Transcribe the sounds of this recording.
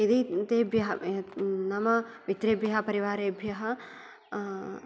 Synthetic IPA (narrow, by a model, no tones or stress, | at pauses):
ed̪it̪ebjɐɦɐnɐmɐʋit̪ɾebjɐɦɐpɐɾiʋaːɾebʱjɐɦɐ